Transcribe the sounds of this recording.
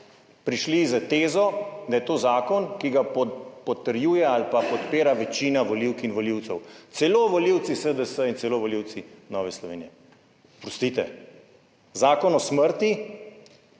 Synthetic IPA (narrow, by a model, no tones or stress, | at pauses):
pɾiʃlizət̪eːzɔd̪ajɛt̪oːzaːkɔnkiɡapɔpɔt̪əɾjuːjɛalpapɔt̪peːɾaʋɛt͡ʃiːnaʋɔliwkinʋɔliwt̪sɛwt̪sɛloʋɔliwt̪sisəd̪əsəinsɛloːʋɔliwt̪sinɔːʋɛslɔʋeːnijɛ | pɾɔst̪it̪ɛ | zaːkɔnɔsməɾt̪i